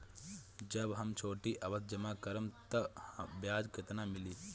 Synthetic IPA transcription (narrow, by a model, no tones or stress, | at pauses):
d͡ʒɐbɦɐmt͡ʃʰoːʈiːʔɐʋɐt̪̚d͡ʒɐmaːkɐɾɐmt̪ɐbjaːd͡ʒkɐt̪ɐnaːmilis